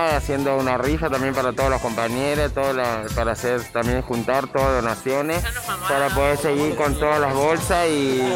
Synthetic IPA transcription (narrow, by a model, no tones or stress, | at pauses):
asje̞nd̪o̞unarifat̪ambjempaɾat̪oðolohko̞mpaɲeɾost̪oðolapaɾaseɾt̪ambje̞ŋxunt̪aɾt̪oðaðonasjo̞nespaɾapo̞ðeɾse̞ɣiɾko̞nt̪o̞ðalaβo̞lsasi